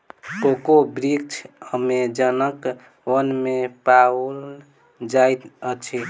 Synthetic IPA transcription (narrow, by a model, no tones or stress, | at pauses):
kokobɾik̚t͡ʃʰəmed͡ʒənək | ʋənmepal | d͡ʒajt̪ət͡ʃʰi